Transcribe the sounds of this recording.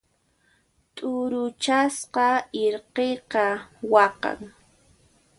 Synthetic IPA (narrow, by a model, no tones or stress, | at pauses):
t̪ʼʊɾʊt͡ʃasqɑɪɾqeqɑwɑqɑ̰ŋ